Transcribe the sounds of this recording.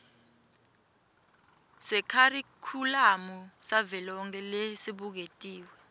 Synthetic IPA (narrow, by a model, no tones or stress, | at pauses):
sɛkʰarikʰulamusavɛlɔŋk̬ʼɛlesiɓuk̬etʼiːwɛ